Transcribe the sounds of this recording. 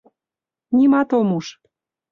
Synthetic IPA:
nʲimɑt̪omuʃ

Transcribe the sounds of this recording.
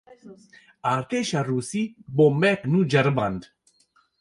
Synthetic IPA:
aɾt̪eʃaɾusibomɛknud͡ʒɐɾband̪

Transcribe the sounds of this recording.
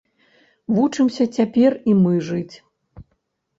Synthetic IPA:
vut͡ʂɨmsʲɐt͡sʲapʲɛrimɨʐɨt͡sʲ

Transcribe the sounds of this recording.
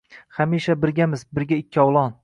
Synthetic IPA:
hamiʃabɪɾɡʲamɪzbɪɾɡʲaɪkʲʰːɪɒwlˠɒn

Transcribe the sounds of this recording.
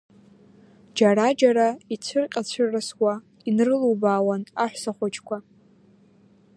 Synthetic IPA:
d͡ʒaɾad͡ʒaɾait͡sʷʰɨrqʲʼat͡ɕʷʰɨrːɨswa | inrɨluwbaːwanaħʷsaχʷat͡ʃʰʼkʷʰa

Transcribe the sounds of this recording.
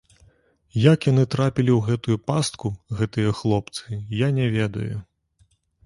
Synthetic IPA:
jakjanɨt̪ɾapʲilʲiwɣɛt̪ujupast̪̚kuɣɛt̪ɨjɐxlˠɔpt̪sɨjanʲɛvʲɛd̪ɐ̰ju

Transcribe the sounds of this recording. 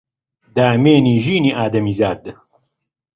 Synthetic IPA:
d̪aːmeːniːʒiːniʔaːd̪ɐmiːzaːd̪ɨ

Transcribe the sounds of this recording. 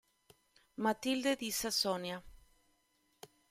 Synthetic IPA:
mat̪ild̪ed̪isasonja

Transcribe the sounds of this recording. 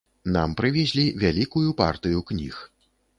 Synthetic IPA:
na̰mpɾɨvʲɛzʲlʲivʲalʲikujupa̰rt̪ɨjuknʲḭx

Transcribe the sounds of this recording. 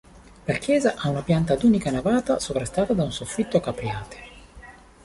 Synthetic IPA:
lak̟jɛːzaʔaunapjant̪ad̪uːnikanavaːt̪asopɾast̪aːt̪ad̪aunsofːit̪ːokapɾjaːt̪ʰe̥

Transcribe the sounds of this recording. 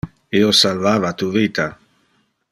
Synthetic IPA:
iosalvavat̪uvit̪a

